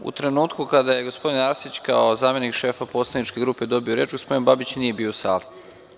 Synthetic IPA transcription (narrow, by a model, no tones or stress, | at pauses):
ṵt̪ɾe̞nuːt̪kukad̪aje̞ɡo̞spo̞d̪inaɾsit͡ɕka̰ozaːme̞nikʃe̞ːfapo̞ːslˠadnit͡ʃke̞ɡɾuːpe̞d̪o̞bio̞ɾe̞ːt͡ʃɡospo̞d̪inbabit͡ɕnije̞biːosaːl